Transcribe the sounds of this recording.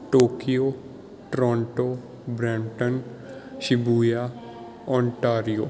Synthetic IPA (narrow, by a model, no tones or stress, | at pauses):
ʈoːkijoː | ʈɾɔ̃ːɳʈo | bɾɛ̃ːɳʈən | ʃɪbuːjaː | ɔ̃ːɳʈaːɾijoː